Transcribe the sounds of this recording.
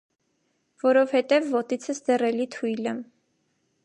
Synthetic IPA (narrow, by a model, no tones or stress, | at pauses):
vɔɾɔvhɛt̪ɛvːɔt̪it͡sʰəsd̪ɛrɛlit̪ʰujlə